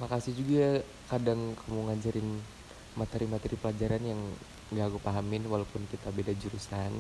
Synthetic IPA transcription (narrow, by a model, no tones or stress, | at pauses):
makasihd͡ʒuɡa | kadaŋkʰamuŋad͡ʒaɾɪn | mat̪ɛɾimat̪ɛɾipəlad͡ʒaɾanjaŋ | ɡaɡupaɦamɪnwalawpʊnkit̪abedad͡ʒuɾusan